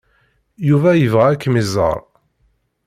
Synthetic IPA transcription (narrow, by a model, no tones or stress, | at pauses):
juvæjəvʁæækːmizˤə̰ɾˤ